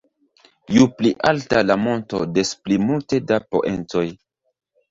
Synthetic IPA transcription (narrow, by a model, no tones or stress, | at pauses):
jupliʔaltalamo̞ntode̞splimulte̞dapo̞̰ʔento̞j